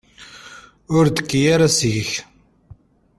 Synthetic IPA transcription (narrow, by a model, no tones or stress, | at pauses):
ʊɾd̪ə̥kːjaɾasəjç